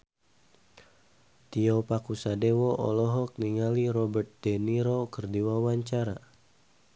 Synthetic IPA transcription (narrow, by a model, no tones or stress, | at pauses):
t̪iɔpakusadewɔʔɔ̰lɔɦɔk̚niŋaliɾɔbərt̪̚dɛniɾokərdiwawaɲt͡ʃaɾa